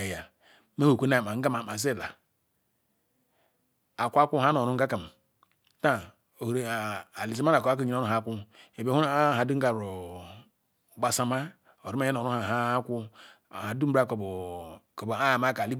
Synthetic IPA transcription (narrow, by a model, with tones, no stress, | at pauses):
e˨ja˨ | me˦ho˨kʷe˦a˨m˨a˨ŋ̩˦ɡa˦ma˨ma˨s̬e˦˨la˨ | a˨kʷa˦kʷu˦ha˦no˨ɾu˦ŋ̩˦ɡa˦ka˨m˨˦ | ta˦ | o˨hɾe˨a˨li˨si˦ma˦na˨ka˦k̬a˦ɲ˨˦o˦u˦˨a˨˦kʷu˦e˨bu˦˨ha˨du˦ŋ̩˦ɡa˨ɾo˨ | ɡ͡ba˨sa˦ma˦ | o˨ɾu˦a˦e˦no˨ɾu˦ha˨ɦa˦kʷu˦˨ | ha˨du˦m̩˦ɾa˦ko˨bko˨ba˦˨ma˦ka˨li˦